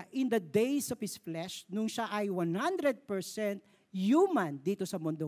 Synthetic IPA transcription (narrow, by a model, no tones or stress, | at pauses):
ʔɪ̃nd̪ɐd̪ejsɔv̥hɪsflɛʃnʊŋʃaʔɐjwanhand̪ɾɛd̪̚pɛɹsɛnt̪̚ | jumɐ̃nd̪iːt̪osɐmʊnd̪o